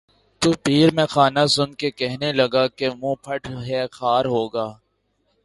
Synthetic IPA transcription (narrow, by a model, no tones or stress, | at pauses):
t̪uːpiːɾmẽxaːnasʊnkekɛɦnelɐɡaːkemũːpʰɐʈʰɦɛːxaːɾɦoːɡaː